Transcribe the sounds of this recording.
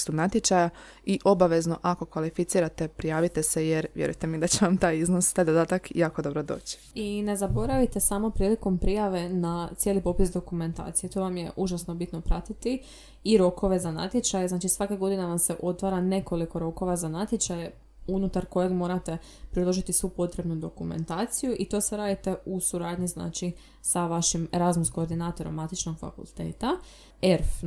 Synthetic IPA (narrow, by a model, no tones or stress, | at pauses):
st̪unat̪jet͡ʃaja | iʔo̞baʋe̞zno̞ʔako̞kʋalifit̪siːɾat̪e̞pɾijaːʋit̪esejeɾʋjeɾṵjt̪emid̪at͡ɕeʋamt̪aːjiznost̪aːjd̪od̪aːt̪akjaːko̞d̪o̞bɾod̪o̞̰ːt͡ɕi̥ine̞zabo̞ɾaʋit̪e̞samo̞pɾiːliko̞mpɾijaʋe̞nat̪sje̞lipo̞pisd̪o̞kume̞nt̪a̰ːt̪sijet̪o̞ʋamjḛʔuʒasno̞bit̪no̞pɾat̪it̪i | iɾo̞ko̞ʋe̞zana̰t̪jet͡ʃajeznat͡ʃisʋakeɡo̞d̪ineʋamse̞ʔo̞t̪ʋaːɾane̞ko̞liko̞ɾo̞ko̞ʋazanat̪jet͡ʃaje | unut̪aɾko̞jeɡmo̞ːɾat̪e̞ | pɾid̪lo̞ʒit̪isʋupo̞t̪ɾe̞bnud̪o̞kume̞̰nt̪aːt̪sijuʔit̪o̞seɾaːd̪it̪e̞usuɾaːd̪ɲizna̰ːt͡ʃi | saʋaʃimeɾazmuskoːɾd̪inaːt̪o̞ɾo̰mːat̪it͡ʃno̞ɡ̥fa̰kṵlˠt̪ḛːt̪a | eɾf